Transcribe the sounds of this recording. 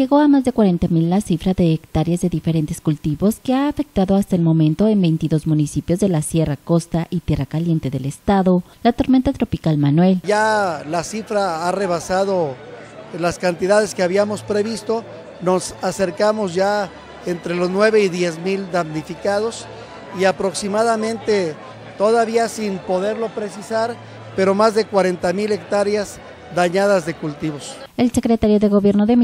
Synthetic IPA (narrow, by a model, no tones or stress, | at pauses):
ʝe̞ɣo̞amazðe̞kwaɾe̞nt̪amilːasifɾaðeːkt̪aɾjazðe̞ðife̞ɾe̞nt̪eskult̪iβo̞ske̞aːfe̞k̚t̪aðo̞ast̪aelmõ̞mẽ̞nt̪o̞e̞mbe̞jnt̪iðo̞zmũnisipjo̞zðe̞lasje̞rako̞st̪aʔit̪je̞rakalje̞nt̪e̞ðe̞le̞st̪aðo̞ | lat̪o̞ɾme̞nt̪at̪ɾo̞pikalmanwe̞lʝalasifɾaare̞βasaðo̞ | laskant̪iðaðe̞skeaβiamo̞spɾe̞βist̪o̞ | no̞sase̞ɾkamo̞sʝa | ent̪ɾe̞lo̞znwe̞βe̞iðje̞zmild̪amnifikaðo̞s | iapɾo̞ksimaðamẽnt̪e̞ | t̪o̞ðaβiasinpo̞ðe̞ɾlo̞pɾe̞sisaɾ | pe̞ɾo̞mazðekwaɾe̞nt̪amile̞kt̪aɾjaz | d̪aɲaðazðe̞kult̪iβo̞s | elsekɾet̪aɾjoðe̞ɣo̞βje̞ɾnoðem